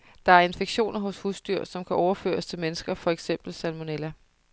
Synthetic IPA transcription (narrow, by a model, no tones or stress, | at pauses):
d̥ɑ̈æɐe̝nfeɡ̥ɕo̝̰ːnɐɦɔ̽shusd̥yɐ̰sɒ̽mkʰæʔɒʊɐfø̰ːɐst͡sʰe̝lmenəsɡ̥ɐfɒ̽eɡ̥sem̰b̥l̩sælmo̝nelæ